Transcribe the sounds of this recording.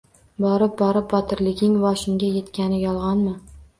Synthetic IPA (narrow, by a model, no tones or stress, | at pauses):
bɒɾɪp̚bɒɾɪp̚bɒt̪ʰɪɾlɪɡʲɪŋvɒʃɪŋɡʲaje̞t̪kʲanɪjɒlˠʁɑnmɪ